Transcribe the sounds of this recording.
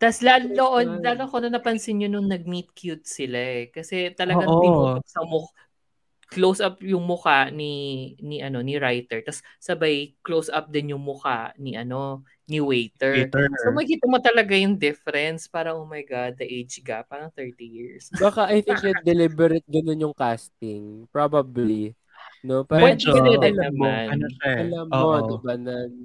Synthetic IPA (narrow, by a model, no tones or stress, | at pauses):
t̪ɐslaoʔolaːlokonɐnɐpɐnsɪnɲonʊŋnɐɡ̚mit̪̚kjut̪̚sɪlaʔɛkɐsɛt̪ɐlɐɡ̪iksɐmʊk | klowsʔɐpjʊŋmʊkaʔniniʔɐno̞niɹajt̪ɛɹt̪ɐsːɐbajklowsʔɐp̚d̪ɪnjʊŋmʊka̰niʔɐno̞ | niwejt̪ɛɹsomɐɡkiːt̪ɐmot̪ɐlɐɡajʊŋd̪ɪfɛɾɛnspaːɾɐŋʔoːmɐjɡad̪̚ːɐʔejd͡ʒɡɐpaːɾɐŋt̪ɛɹt̪ijiɹsbakaʔɐjt̪ɪŋknɐd̪ɛlibɛɾɛt̪̚ɡɐnonjʊŋkast̪ɪŋpɹabɐbli | no̞pawɐd̪ɛd̪nɐmanɐɐlamːod̪ɪbanɐn